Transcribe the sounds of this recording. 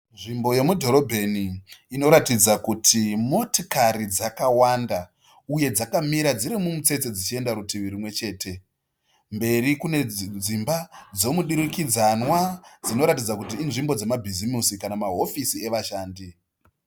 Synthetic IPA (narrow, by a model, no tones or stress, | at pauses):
nʐimbo̞je̞mudʱo̞ɾo̞bʱeniːno̞ɾatid͡zakutʰimo̞tikaɾid͡zakawanda | uje̞d͡zakamiɾad͡ziɾimumut͡se̞t͡se̞d͡zit͡ʃie̞ndaɾutiʋiɾimwe̞t͡ʃe̞ːtʰe̞ | mbe̞ɾikune̞d͡zimbad͡zo̞muɗiɾikid͡zanwad͡zino̞ɾatid͡zakutinʐimbo̞d͡ze̞mabʱizimisikanamaɦo̞fisie̞ʋaʃaːndi